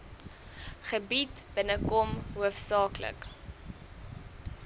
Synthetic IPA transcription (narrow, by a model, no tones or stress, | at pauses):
χəbitb̥ənəkɔmɦuəfsɑːklə̰k